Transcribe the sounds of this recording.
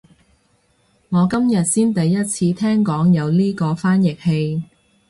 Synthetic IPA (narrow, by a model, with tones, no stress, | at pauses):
ŋɔː˨˧kɐ˥mjɐ˨t̚siː˥nt̪ɐ˨˧jːɐ˥t̚t͡sʰiː˧t̪ʰɛː˥ŋkɔː˨˥ŋjɐ˨˧wliː˥kɔː˧faː˥njɪ˨k̚he˧j